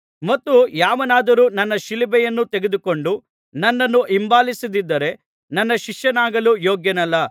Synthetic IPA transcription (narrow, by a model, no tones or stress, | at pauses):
mɐt̪ːujaːʋɐnaːd̪ɐɾuːnɐnːɐʃilibɛjɐnːut̪eɡed̪uko̞ɳɖu | nɐnːɐnːuʔimbaːlisid̪id̪ːɐɾe̞ | nɐnːɐʃiʂjɐnaːɡɐlujoːɡjɐnɐlːɐ